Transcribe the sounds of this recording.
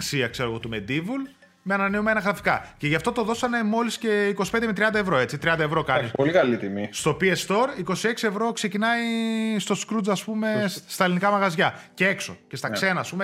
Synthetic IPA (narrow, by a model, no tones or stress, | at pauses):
ksiɐkse̞ɾo̞ɣo̞t̪ume̞d̪ivul | meɐnɐneume̞nɐɣɾɐfi̥kɐce̞ʝɐft̪ot̪o̞ðo̞sɐne̞mo̞lisce̞iko̞si̥pend̪emet̪ɾiɐnd̪ɐe̞vɾo̞e̞t͡sit̪ɾiɐnd̪ɐevɾo̞kɐnnipolikɐlit̪imist̪opiest̪o̞ɾiko̞sie̞ksie̞vɾo̞kse̞cinɐist̪o̞skɾud͡zɐspume̞st̪ɐelinikɐmɐɣɐzʝɐcee̞kso̞̰ce̞st̪ɐkse̞nɐːspume